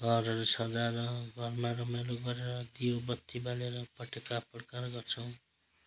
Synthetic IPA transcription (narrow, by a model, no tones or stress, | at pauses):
ɡʱʌɾʌɾesʌd͡zaɾʌɡʱʌrmaɾʌmajloɡʌɾeɾʌd̪ijobʌt̪ːibaleɾʌpʌʈekaprkarɡʌrt͡sʰʌw̃